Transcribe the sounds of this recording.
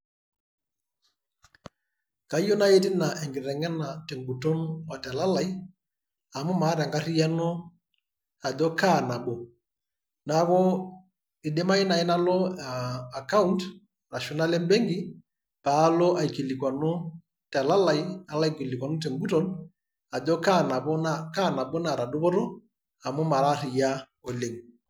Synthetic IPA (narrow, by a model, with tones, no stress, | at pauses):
ka˨˦jo˦na˦je˦ti˦na˨ʔɛ˨ŋɡɪ˨ɾɛ˨ŋɛ˦na˨tɛ˨ŋɡu˨tɔ˦na˨tɛ˨la˦la˨j | a˨mʊ˦ma˨˦ɾɛ˨ŋɡa˦ɾi˦ja˦nɔ˦ | a˨dɔ˦kaː˦˨na˨ɓɔ˨ | na˦kɔ˦ | ɪ˨ɗɛ˦ma˦ɪ˦na˨ɪ˦na˦lɔ˦˨a˨ka˦u˦nt | na˨ʃɔ˨na˦lɛ˦mbɛ˦ŋɡi˦ | paː˨˦lɔ˦ʔa˨i˨ki˨li˨kwa˨nɔ˦ | tɛ˨la˦la˨ia˨la˦˨ki˨li˨kwa˨no˦tɛ˨mbu˦tɔ˨n | a˨d͡ʒɔ˦ka˦na˨bɔ˦naka˦˨na˨ɓɔ˦na˨ɾa˨do˦pɔ˦ɾo˦ | a˨mo˦ma˨ɾa˦ɾi˨ja˦ | o˨le˨ŋ